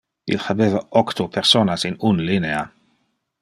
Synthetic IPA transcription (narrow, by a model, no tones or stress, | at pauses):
ḭlxabeːvaʔɔkt̪ʰopʰɛɾsoːnasinunlinea